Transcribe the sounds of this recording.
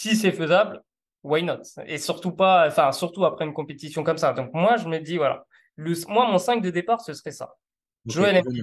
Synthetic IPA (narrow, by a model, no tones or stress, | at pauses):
sis̬ɛføzabl | wajnɔt̪ḛsyʁt̪upãfɛ̃syʁt̪uapχɛynkɔ̃pet̪isjɔ̃kɔmsad̪ɔ̃k̚mwaʒəməd̪ivwala̰ | ləsmwamɔ̃sɛ̃k̚d̪əd̪epaʁsəsəʁɛsa̰ | ʒəwɛle